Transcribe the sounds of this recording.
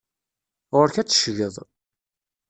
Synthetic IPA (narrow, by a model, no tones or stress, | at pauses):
ʁʊɾçæt͡sːə̥ʃʝəðˤ